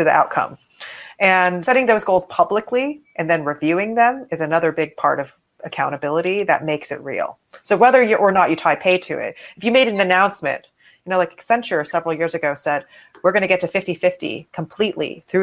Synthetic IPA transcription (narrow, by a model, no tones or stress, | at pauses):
tɨðiʔa̰ʊt̚kʰʌ̰̃m | ʔɨ̃nsɛ̃ɾ̃ɪ̃ŋðoʊzɡoʊlˠz̥pʰʌblɨkliʔɨ̃nðɨ̃nɹivjʉɪ̃ŋðɨ̃mɨzɨnʌðə˞bɪɡ̚pʰɑ̰ɹɾʌv | ɨkʰãʊ̃ɾ̃ɨbɪlˠəɾiðɨ̰t̚meɪksɨ̰t̚ɹḭl̩ˠ | soʊwɛðə˞jɨʔə˞nət͡ʃɨtʰaɪpʰeɪtʰɨ̰ɪ̰t̚ɨfjɨmeɪɾɨn̩ɨnãʊ̃nsmɨ̰̃nʔ | jɨnoʊlaɪksɛ̃nt͡ʃə˞sɛvɹl̩ˠjɪɹzɨɡoʊsɛd̚ | wɨɹɡʌñɨɡɛtɨfɪftifɪftḭkʰə̃m̩pʰl̥iʔˡlḭθɹʉ